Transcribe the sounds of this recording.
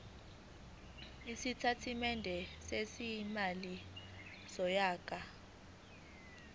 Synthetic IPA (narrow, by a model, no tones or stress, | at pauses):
isitʰatʰimɛndʱɛsesimali | sɔjaːkʼa